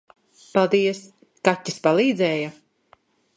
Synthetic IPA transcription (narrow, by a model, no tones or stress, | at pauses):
palˠd̪iɛs | katʲːispalˠiːd̪zɛːja